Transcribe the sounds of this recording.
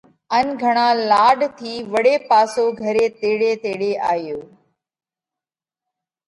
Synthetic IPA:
ənɡʱəɽ̃ãːlaːɖt̪ʰiːʋəɽeːpaːsoːɡʱəɾeːt̪eːɽeːt̪eːɽeːʔaːjoː

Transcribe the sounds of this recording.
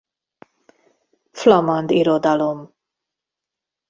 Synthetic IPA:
flamand̪iɾod̪alom

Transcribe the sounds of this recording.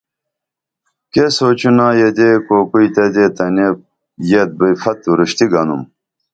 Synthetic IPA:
kesoːt͡ɕunaːjed̪ekoːkuit̪ɐd̪eːt̪ɐne | jet̪̚bifɐt̪ːuɾuɕt̪iɡɐnṵm

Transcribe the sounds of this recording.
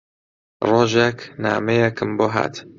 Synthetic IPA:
roːʒekʰnaːmejekʰɨmboɦa̰ːt̪

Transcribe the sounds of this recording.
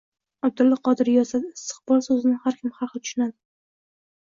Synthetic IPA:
ab̚d̪ɪlːɪqʰɒd̪ɪɾjɒsad̪ɪst̪ɨ̥qb̥ɒlˠsɵzɪnɪŋhaɾkʲʰɪmhaχɨt̪ʰʊ̥ʃʊnad̪ɪ

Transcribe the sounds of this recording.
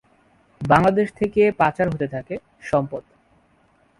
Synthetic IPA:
baŋlad̪eʃt̪ʰekepat͡ɕaɾɦot̪et̪ʰake | ʃɔmpod̪

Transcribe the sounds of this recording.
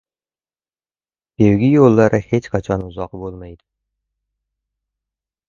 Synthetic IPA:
b̪̥ewɡʲɪjolˠːɑɾɪhet͡ʃqʰɑt͡ʃʰɒnuzɑqbolˠmɑjd̪ɪ̥

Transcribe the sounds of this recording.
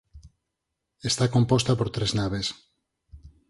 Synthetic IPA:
est̪ako̞mpost̪apoɾt̪ɾeznaβ̞es

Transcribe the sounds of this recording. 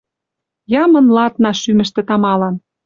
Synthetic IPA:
jɑmɤ̆nlɑt̪nɑʃymɘ̆ʃt̪ĕt̪ɑmɑlɑn

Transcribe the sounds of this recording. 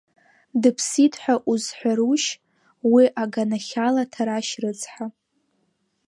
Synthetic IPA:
dɨpʰsitʰʼħʷᶣaʔuzħʷᶣaɾuʃ | wiʔaɡanaχʲalatʰaɾaʃrɨt͡sʰʼħʷa

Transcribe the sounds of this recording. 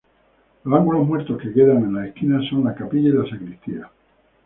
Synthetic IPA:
losaŋɡulo̞ɦmwe̞ɾt̪o̞ske̞ke̞ðaŋe̞nlaehkinaso̞nlakapiʝailasakɾist̪ia

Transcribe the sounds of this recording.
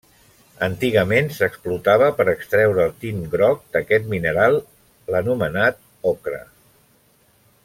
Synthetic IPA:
ənt̪iɣəmensəksplut̪aβəpəɾəkst̪ɾɛwɾəːlˠt̪inɡɾɔk̚d̪̥əkɛt̪minəɾalˠ | lənumənat̪̚ | ɔkɾə̰

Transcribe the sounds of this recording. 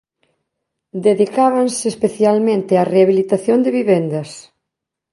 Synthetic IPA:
d̪eðikaβansɪːspeθjalmẽnt̪ɪareaβilit̪aθjond̪ɪβiβend̪ɐs

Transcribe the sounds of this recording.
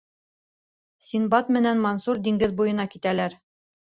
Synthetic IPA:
sinbɑt̪mɘ̆nænmɑnsuɾd̪iŋɡɘðbujɤ̆nɑkit̪ælæɾ

